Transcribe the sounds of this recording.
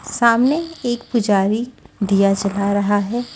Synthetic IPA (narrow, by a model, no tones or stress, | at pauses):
saːmneeːk̚pʊd͡ʒaːɾid̪ijat͡ʃɐlaɾɐɦaɦɛː